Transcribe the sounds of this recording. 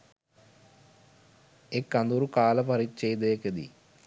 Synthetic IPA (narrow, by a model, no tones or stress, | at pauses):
ekːɐnd̪uɾukaːlɐpɐɾit͡ɕːejd̪eːked̪ḭ